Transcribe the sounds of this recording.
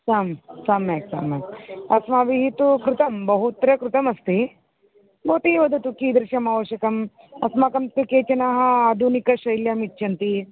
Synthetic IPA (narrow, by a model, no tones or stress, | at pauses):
saːmsaːmːeːksa̰ːmeːkɐsmaːʋiɦit̪ukɾut̪ɐmbɐɦut̪ɾɐkɾut̪ɐmɐst̪i | bout̪iːʋɐd̪ut̪ukiːd̪ɾɪʃjɐmaːʋɐʃjɐkɐm | ɐsmakɐmt̪ikeːt͡ʃɐnaːɦɐaːd̪ʱunikɐʃɐjljɐmitːʃʰɐnt̪i